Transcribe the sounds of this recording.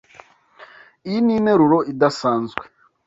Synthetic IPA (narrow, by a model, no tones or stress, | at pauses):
ijinineɾuɾoidasaːnzɡwe